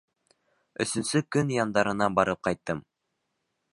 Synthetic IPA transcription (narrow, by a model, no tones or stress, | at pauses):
ɵ̰̆sɵ̆nsɵkɵnjɑnd̪ɑɾɤ̆nɑbɑɾɤp̚qɑjt̪ːɤm